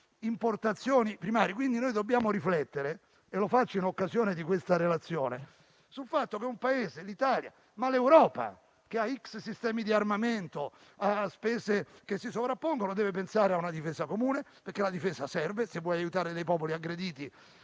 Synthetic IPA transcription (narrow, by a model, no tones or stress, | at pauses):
import̪at̪sːjoːnipɾimaːɾjikwind̪inojd̪obːjaːmoɾiflɛt̪ːeɾe | elofat͡ʃːainokːazjoːned̪ikwest̪aɾelat̪sːjoːne | sulfat̪ːokeumpaeːzelit̪aːlja̰ | malewɾɔːpa̰ | k̟eaikssist̪ɛːmid̪iarmament̪o | aspɛːzek̟esːisovɾapːoŋɡonod̪ɛːvepensaːɾeaunad̪ifeːsakomuːnepeɾkːelad̪ifɛːsasɛrvesevːwɔjajut̪aːɾed̪ejpɔːpoliaɡːɾed̪iːt̪i